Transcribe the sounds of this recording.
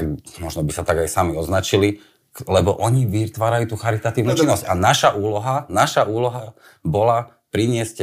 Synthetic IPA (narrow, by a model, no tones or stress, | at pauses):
amɔʒnɔbisat̪aɡajsamiɔznat͡ʃili | klɛbɔʔɔɲiʋit̪ʋaːɾajuːt̪uːxaɾit̪at̪iːʊnut͡ʃinːɔscanaʃaʔuːlɔɦanaʃaʔuːlɔɦa | bɔla | pɾiɲɪɛsc